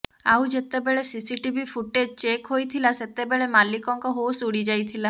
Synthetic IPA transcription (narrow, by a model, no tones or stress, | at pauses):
awd͡ʒet̪ebeɭesisiʈibʱipʰuʈed͡ʒt͡ʃekɦojt̪ʰilaset̪ebeɭemalikɔŋkɔɦosuɽid͡ʒajt̪ʰila